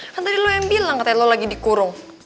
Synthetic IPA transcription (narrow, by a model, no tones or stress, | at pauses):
at̪adilojaŋbilaŋkat̪alolaɡidikuɾʊŋ